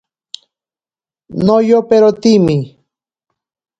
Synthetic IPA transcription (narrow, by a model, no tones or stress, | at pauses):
nojopeɾot̪imi